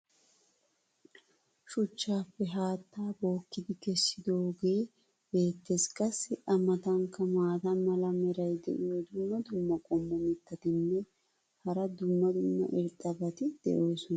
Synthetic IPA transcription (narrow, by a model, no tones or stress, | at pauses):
ʃʊt͡ʃːaːfːɛɦaːt̪ːaːbo̞ːkːɪd̪ɪkɛsːɪd̪o̞ːɡe̞ː | be̞ːt̪ːeskʼɐsːɪʔɐmɐt̪ɐŋkːɐmaːt̪ɐmɐlɐmɛɾɐjd̪ɛ̰ʔɪjod̪ʊmːɐd̪ʊmːɐkʼɔmːɔmɪt̪ːɐt̪ɪnːɛ | hɐɾɐd̪ʊmːɐd̪ʊmːɐ̰ʔɪɾt̪ʼːɐbɐt̪ɪd̪̥ɛ̰ʔo̞ːsʊnɐ